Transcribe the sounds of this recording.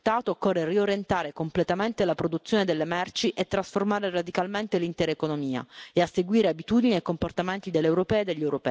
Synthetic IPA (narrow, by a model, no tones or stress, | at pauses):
t̪ːaːt̪oːkːɔrːerioɾjent̪aːɾekomplet̪ament̪elapɾod̪ut̪sːjoːned̪elːemɛrt͡ʃiʔet̪ːɾasformaːɾerad̪ikalment̪elint̪ɛːɾaekonomiːa̰easːeɡwiːɾeabit̪uːd̪iniekːomport̪ament̪id̪elːewɾopɛːed̪eʎːewɾopɛ̰ː